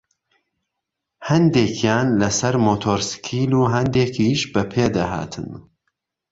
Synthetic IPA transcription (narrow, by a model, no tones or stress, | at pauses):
hɐnd̪eːkʰjaːnlɐsɐɾmoːt̪ʰoːɾskʰiːluːɦɐnd̪eːkʰiːʃbɐpʰeːd̪ɐha̰ːt̪ʰɨ̰n